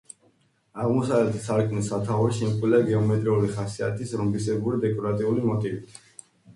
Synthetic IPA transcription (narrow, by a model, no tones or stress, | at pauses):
aʁmɔsavlɛt̪ʰsaɾkʰmnisat̪ʰauɾiʃimkʼilaɡɛɔmɛt̪ʼɾiuliχasia̰t̪ʰisɾumbisɛbuɾid̪ɛkʼɔɾat̪ʼiulimɔt̪ʼivit̪ʰ